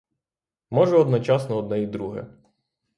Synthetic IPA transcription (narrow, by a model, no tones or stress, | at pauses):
mɔʒɛɔd̪nɔt͡ʃɑsnɔɔd̪nɛid̪ɾuɦɛ̰